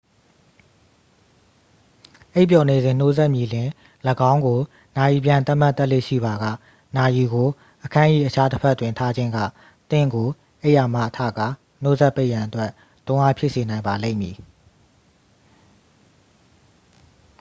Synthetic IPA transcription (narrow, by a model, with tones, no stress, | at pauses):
ʔe˦˨p̬jɔ˨ne˨zɪ̃˨n̥o˦zɛ˦ʔmji˨lɪ̃˨ | ləɡã˦ʊ̃ŋɡo˨ | na˨ji˨p̬jã˨nt̪a˦m̥a˦t̪ːɛ˦ʔlḛ˦˨ʃḭ˦˨ba˨ɡa̰˦˨ | na˨ji˨ɡo˨ | ʔəkʰã˦ʔḭ˦˨ʔət͡ɕʰa˦təpʰɛ˦ʔtːwɪ̃˨ntʰa˦d͡ʑɪ̃˦ŋɡä̰˦˨ | t̪ɪ̰̃˦˨ŋɡo˨ | ʔe˦ɪʔa˨ma̰˦ʔtʰä̰˦˨ɡa̰˦˨ | n̥o˦zɛ˦ʔpːe˦ɪʔjã˨ʔətwɛ˦˨ | tʊ̃˦ʔa̰˦pʰjɪ˦ʔse˨nã˨ɪ̃mba˨lḛ̃˦˨mji˨